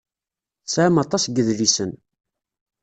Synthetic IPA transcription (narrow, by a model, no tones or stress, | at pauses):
sʕmɑt̪ˤɑsɡəðlisən